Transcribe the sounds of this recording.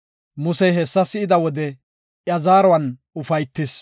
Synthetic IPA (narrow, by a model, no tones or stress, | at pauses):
mʊsɛjɦɛsːɐsɪɪd̪ɐwɔd̪ɛ | ʔjɐzaːɾɔwɐn | ʊfɐjt̪ːɪs